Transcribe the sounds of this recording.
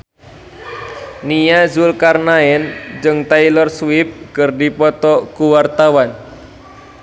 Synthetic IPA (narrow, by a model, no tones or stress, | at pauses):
nijazulkarnaɛnd͡ʒɨŋt̪ailɔrswɪp̚kərdipɔt̪ɔkuwart̪awan